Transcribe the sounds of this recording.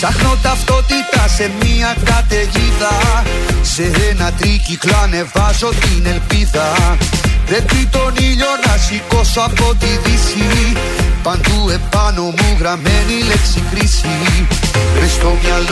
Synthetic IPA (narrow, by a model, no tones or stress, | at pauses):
t̪ɐxno̞t̪ɐft̪o̞t̪it̪ɐse̞miɐkɐt̪e̞ʝiðɐ | se̞ɾenɐt̪ɾiciklɐne̞vɐzo̞t̪ine̞lpiðɐ | pɾe̞pit̪o̞niʎo̞nɐsiko̞soɐpo̞t̪iðisi | pɐnd̪ue̞pɐno̞muɣɾɐmenileksikɾisi | list̪omɲɐl